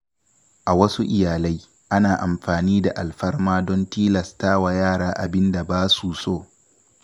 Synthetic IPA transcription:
ʔa˨wɐ˦su˦ʔɪ˨jaː˨la˦j | ʔa˦naː˨ʔa˨mɸaː˨niː˦da˨ʔa˨lɸɐ˦rmaː˦dɔ˦ntiː˦lɐ˨staː˦wa˨jaː˦˨ɽaː˦ʔa˨bɪ˦nda˨baː˦su˨soː˦˨

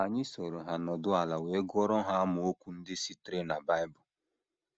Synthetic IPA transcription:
a˨ɲɪ˦so˨ɾo˨ɦa˨nɔ˨dʊ˦a˨la˨we˨˦ɡɔ˦ɾɔ˦ɦa˦a˦mʊ˨o˦kʷu˦n̩˦dɪ˦si˦tɾe˦na˨ba˦ɪ˦bʊ˨

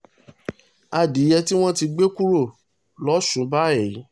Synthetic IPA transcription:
a˧˨di˨˦jɛ˧ti˦w̃ɔ̃˦ti˧ɡ͡be˦ku˦ɾo˦˨ | lɔ˦ʃũ˨˦ba˦ɛ˨jĩ˨˦

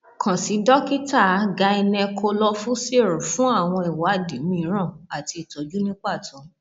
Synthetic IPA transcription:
kʰã˨si˨˦dɔ˦ki˦ta˦˨˦ɡa˧˦i˧nɛ̃˧kʰo˧lɔ˦˧fũ˦se˦˨ɾũ˨fũ˦a˦˨w̃ɔ̃˧i˨wa˨˦˨di˨˦mĩ˧˨˧ɾ̃ã˦˨a˨ti˧i˨tɔ˨˦d͡ʒu˦nĩ˦k͡pa˦˨tɔ̃˨˦

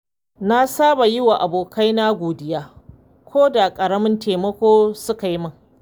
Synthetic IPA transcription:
na˦saː˦ba˨jɪ˦wa˨ʔa˨boː˨ka˦jna˦ɡʷoː˨dɪ˦jaː˦ | kʷoː˦da˨kʼɐ˨ɽɐ˦mɪ˦nteː˨mɐ˦kʷoː˦sʊ˦ka˨ji˦mɐ˦ŋ

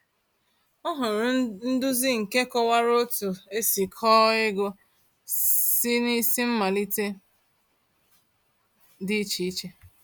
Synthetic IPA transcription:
ɔ˦ɦʊ˨ɾʊ˨n̩˦dʊ˦zi˦ŋ̩˨ke˦kɔ˦wa˦ɾo˦tu˨e˦si˨kʰɔ˦ɪ˦ɡo˦ | si˦ni˦si˦m̩˦ma˨li˦te˦ | dɪ˦i˦t͡ʃi˨i˦t͡ʃe˦

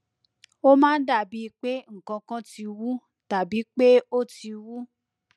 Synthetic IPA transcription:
o˦mãː˦n̩˦da˦˨bi˨˦˧k͡pe˦ŋ̩˨kã˧kã˦ti˧wu˦ | ta˨bi˨˦k͡pe˦o˦ti˧wu˦

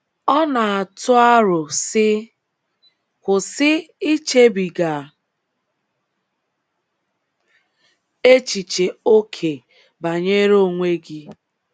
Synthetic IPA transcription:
ɔ˦na˨a˨tʊ˦a˦ɾʊ˨sɪ˦ | kʷʊ˨sɪ˦i˦t͡ʃe˦bi˨ɡa˨ | e˦t͡ʃi˨t͡ʃe˨o˦kʰe˨ | ba˨ɲe˦ɾo˦˨ŋʷe˦ɡi˦

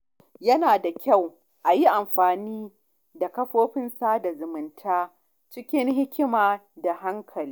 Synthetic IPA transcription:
jɐ˦naː˨da˨kʲa˦˨w | ʔa˨ji˦ʔa˨mɸaː˨niː˦ | da˨kɐ˦ɸoː˦ɸɪ˦nsa˦da˨zʊ˨mɪ˨ntʰaː˦ | t͡ʃɪ˦kʲɪ˦nɦɪ˦kʲɪ˦maː˨da˨ha˦ŋkʰɐ˨liː˦

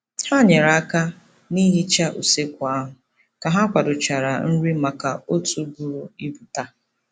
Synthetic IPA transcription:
ha˦ɲe˨ɾa˨a˦ka˦ | ni˦ɦi˦t͡ʃa˦ʔu˨se˦kʷa˨˦ɦʊ˨ | ka˨ɦa˦kʷa˨dʊ˨t͡ʃa˨ɾa˨n̩˦ɾi˦ma˨ka˨o˦tu˨ɡu˨ɾu˨i˦bu˨ta˦

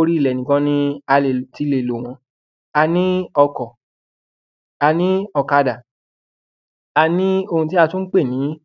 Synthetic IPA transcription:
o˧ɾi˦˨lɛ˨nĩ˨kɔ̃˧˦nĩ˦a˧le˨ti˦˨le˨lo˨w̃ɔ̃˧ | a˧nĩ˦ɔ˧kɔ˨ | a˧nĩ˦ɔ˧ka˧da˨ | a˧nĩ˦o˧hũ˧t̬i˦a˧tũ˦n̩˦k͡pe˦˨nĩ˨˦

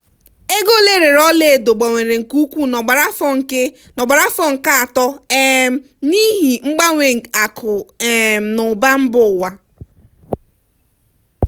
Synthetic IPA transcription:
e˦ɡo˦le˦ɾe˨ɾɔ˦le˦e˨do˨ɡ͡ba˨ŋʷe˨ɾe˨ŋ̩˨ku˦kʷu˦n˨ɡ͡ba˨ɾa˦fɔ˦ŋ̩˨k | nɔ˨ɡ͡ba˨ɾa˦fɔ˦ŋ̩˨ka˦a˨tɔ˦e˦˨ | ni˦ɦi˨ŋ͡m̩˦ɡ͡ba˦ŋʷe˨ŋ̩˨a˨kʰʊ˨e˨m̩˨nʊ˨ba˦m̩˦bʊ˦˨wa˦

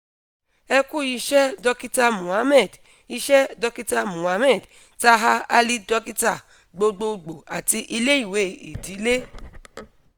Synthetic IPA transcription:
ɛ˧ku˦˨ji˧ʃɛ˦dɔ˧ki˦ta˧mũ˨a˦mɛ˦˨d | i˧ʃɛ˦dɔ˧ki˦ta˧mũ˨a˨˦mɛ˦˨d | ta˦ɦa˧a˦li˦dɔ˧ki˦ta˦˨ | ɡ͡bo˧ɡ͡bo˧ɡ͡bo˨a˨ti˧ʔi˧le˦i˦˨we˨˦i˨di˨˦le˦

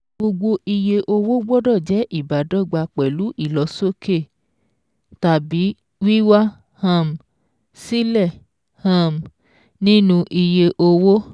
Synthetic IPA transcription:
ɡ͡bo˧ɡ͡bo˧ʔi˧je˧ʔo˧wo˦ɡ͡bɔ˦dɔ˦˨d͡ʒɛ˨˦ʔi˦˨ba˨dɔ˨˦˨ɡ͡ba˧k͡pɛ˨lu˨˦ʔi˦˨lɔ˨˦so˦ke˦˨ | ta˨bi˨˦ | wi˦wa˦ | hã˦˨m˨ | si˦lɛ˦˨ | hã˦˨m˨ | nĩ˦nũ˧ʔi˧je˧ʔo˧wo˦

